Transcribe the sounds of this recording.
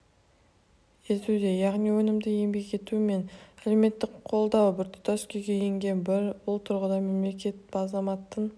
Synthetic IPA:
e̞t̪ud̪e̞jɑʁnijwɵnɪmd̪ɪje̞mbe̞kʲe̞t̪uɪme̞næle̞me̞t̪ːɪkqʰo̞lˠd̪ɑwbɪɾt̪ʰʊ̥t̪ɑskʲejɡʲejeŋɡʲe̞nbɪɾbʊlˠt̪ʰʊɾʁəd̪ɑme̞mle̞kʲe̞t̪̚bɑzɑmɑt̪ːən

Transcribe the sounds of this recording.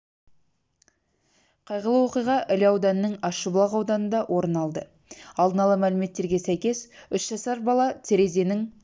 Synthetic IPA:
qʰɑjʁəlˠəwo̞qijʁɑʔɪlɑwd̪ɑnənəŋɑʃəblˠɑʁɑwd̪ɑnənd̪ɑwʔo̞ɾənɑlˠd̪ə | ɑlˠd̪ənɑlˠəmælɪme̞t̪ːe̞ɾɡʲe̞sæjkʲe̞sʏʃʒ̥ɑsɑɾbɑlˠɑt̪ʰe̞ɾe̞ze̞nɪŋ

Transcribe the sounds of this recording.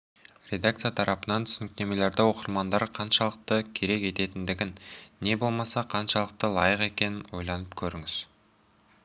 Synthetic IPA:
ɾʲe̞d̪ak̚t̪sɨjat̪ʰɑɾɑpənɑnt̪ʰʏsɪnɪk̚t̪e̞me̞le̞ɾd̪ɪwo̞qəɾmɑnd̪ɑɾqʰɑnʃɑlˠəq̚t̪əkʲʰe̞ɾe̞kʲe̞t̪e̞t̪ɪnd̪ɪɡʲɪnːe̞bo̞lˠmɑsɑqʰɑnʃɑlˠəq̚t̪əlˠɑjəqe̞kʲe̞nɪnwo̞jlˠɑnəpkʲʰɵɾɪŋɪz̥

